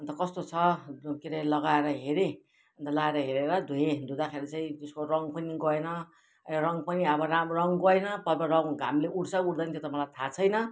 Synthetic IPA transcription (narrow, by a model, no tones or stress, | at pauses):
ʌnt̪ʌkʌst̪ot͡sʰʌkeɾelʌɡaeɾʌɦeɾe | nt̪ʌlaeɾʌɦeɾeɾʌd̪ʱujẽd̪ʱud̪akʰeɾet͡saĩd͡z̪eskorʌŋpʌniɡʌenʌ | rʌŋpʌniʌbʌɾamrʌŋɡʌenʌpʌbʌrʌŋʱamleuɽt͡sauɽd̪ʌnit̪ʰet̪ʌmʌlajt̪ʰat͡sʰʌjnʌ